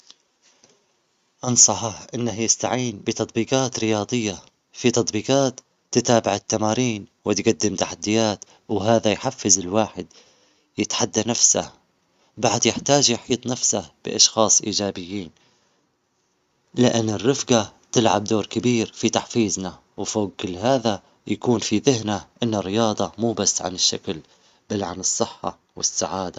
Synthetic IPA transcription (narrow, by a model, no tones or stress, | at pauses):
ʔɑnsˤɑħɑħʔɪnːahjɪst̪aʕiːnbɪt̪ɑt̪ˤbiːqɑːt̪ɾɪjɑːd̪ˤɨjːa | fit̪ɑt̪ˤbiːqɑːt̪ː | ɪt̪aːbɪʕɪt̪ːamaːɾiːnwɪt̪ɡad̪ːɪmt̪aħad̪ːɪjaːt̪ | wɦaːðajħafːɪzɪlwaːħɪd̪ | jɪt̪ħad̪ːanafsa̰ | baʕd̪jɪħt̪aːd͡ʒjɪħiːt̪ˤnafsab̥ɪ̰ʔɑʃxɑːsˤʔiːd͡ʒaːbɪjːiːn | lɪʔanːɪrːɪfɡat̪ɪlʕab̚d̪oːɾkɪbiːɾfit̪aħfiːzna | wfoːɡ̚kɪlːɦaːða | jakuːnfiðɪhnaʔɪnːarːɪjɑːd̪ˤɑmuːbasːʕa̰nɪʃːakl | b̥alːʕanɨsˤːɨħːɑ̰ | wɪ̰sːaʕaːd̪a